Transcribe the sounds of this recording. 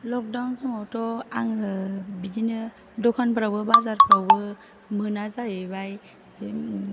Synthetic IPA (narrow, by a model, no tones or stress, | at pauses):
lɔk̚dawnsɔŋɔtɔaŋɯbidinɯ | dɔkʰanpʰaɾawbɯbazaɾpʰɾawbɯ | mɯnazaebaj